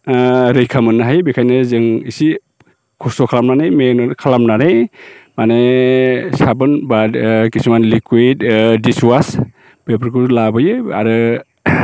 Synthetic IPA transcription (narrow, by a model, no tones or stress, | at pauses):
ɾɯjkʰamɯnːɯɦajbikʰajnɯzɯŋisi | kʰɔsɔkʰalamnanɯjmenɔɾkʰalamnanɯjmane | sabɯnbadkisumanlikwitdiswas | b̥epɾkʰulabɯjɯa̰ɾɯ